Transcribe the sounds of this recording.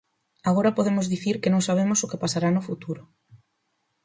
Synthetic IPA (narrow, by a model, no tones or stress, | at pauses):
aɣ̞oɾɐpoðemʊzðiθiɾkɪnõŋsaβ̞emʊsʊkepasaɾanʊfut̪uɾʊ